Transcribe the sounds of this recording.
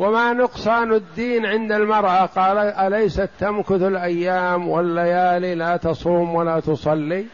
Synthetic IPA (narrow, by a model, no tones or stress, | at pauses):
wamanʊqsˤɑːnad̪ːiːnʕɪnd̪almɑɾˤʔaqɑːlaʔalajsat̪ːamkʊθalʔajːaːmwɪlːajaːlilaːt̪ɑsˤuːmwalaːt̪ʊsˤɑlːiː